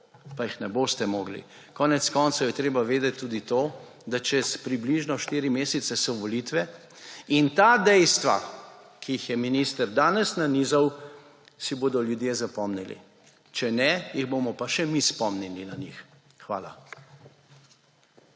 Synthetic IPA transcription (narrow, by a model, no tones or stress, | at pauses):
pajixnɛboːst̪ɛmoːɡlḭ | kɔːnɛt̪skɔnt̪sowjɛt̪ɾeːbaʋeːd̪ɛt̪ʲːuːd̪it̪oː | d̪at͡ʃɛspɾibliʒnɔʃt̪iːɾimeːsɛt̪sɛsɔʋɔlit̪ʋɛ | int̪aːd̪ɛjst̪ʋa̰ | kʰiixjɛminiːst̪əɾd̪aːnɛsnaniːzaw | siboːd̪ɔljud̪jeːzapɔmnilḭ | t͡ʃɛnɛjiɣboːmɔpaʃɛmispɔmnilinanix | xʋa̰ːla